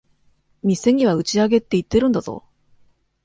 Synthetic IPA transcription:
mʲise̞ɲ̟ʲiβaɯ̟t͡ɕiaɡe̞t̪ːe̞it̪ːe̞ɾɯ̟nd̪azo̰

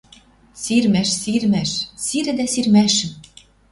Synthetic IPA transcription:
sirmæʃsirmæʃsiɾɘ̆d̪æsirmæʃɘ̆m

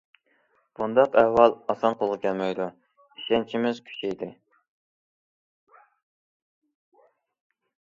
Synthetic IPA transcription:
b̥und̪ɑqɛwːɑlˠɑsɑnqʰolˠʁɨkʲʰɛlmɛjd̪u | iʃɛnt͡ʃʰimɪzkʲʰy̥t͡ʃʰɛjd̪ɪ

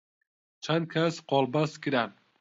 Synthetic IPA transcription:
t͡ʃʰankʲʰasqɒlˠbaskʲiɾan

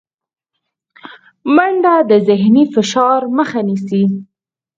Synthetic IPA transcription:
maɳɖad̪əzɪɦnifɪʃɑɾməxanisi

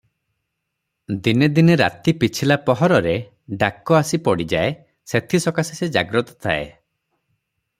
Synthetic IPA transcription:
d̪ined̪ineɾa̰t̪ipit͡ʃʰilapɔɦɔɾɔɾe | ɖakɔasipɔɽid͡ʒae | set̪ʰisɔkasised͡ʒa̰ɡɾɔt̪ɔ̥t̪ʰa̰ḛ

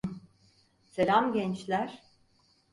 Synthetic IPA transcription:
seɾamɟɛnt͡ʃlʲæɾ̥

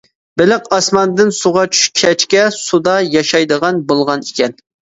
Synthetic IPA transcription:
bɪlɪqɑsmɑnd̪ɪnsuʁɑt͡ʃʰy̥ʃkʲʰɛt͡ʃkʲɛsud̪ɑjɑʃɑjd̪əʁɑnbolˠʁɑnikʲʰɛn

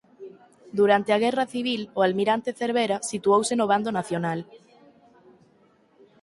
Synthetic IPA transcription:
d̪uɾant̪eaɣ̞ɛraθiβ̞iloalmiɾant̪eθeɾβeɾasit̪uowsenoβ̞and̪onaθjonal

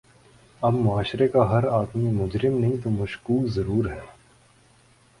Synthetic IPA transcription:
ɐbmʊaːʃɾekaɦɐɾaːd̪mimʊd͡ʒɾɪmnɐɦĩt̪omɐʃkuːlzɐɾuːɾɦɛː

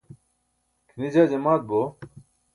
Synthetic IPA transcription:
kʰnid͡ʑaːd͡ʑemaːt̪̚bo

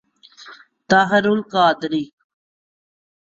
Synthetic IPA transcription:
t̪aɦəɾulkaːd̪ɾiːk

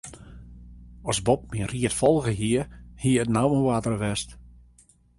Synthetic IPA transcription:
ɔsbɔp̚miəriətfɔlˠɣəɦiərhiəətnawməwatərəʋɛst

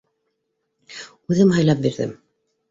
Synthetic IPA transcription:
ʉðɘmɦɑjlˠɑp̚biɾðɘ̰m

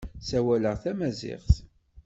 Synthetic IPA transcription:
sæwæləʁθæmæzɪ̰ʁθ

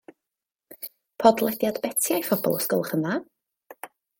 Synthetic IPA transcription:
pʰɔdlˠɛdjadbɛtʰjajfɔbɔ̰lˠɔskʊlˠχəna

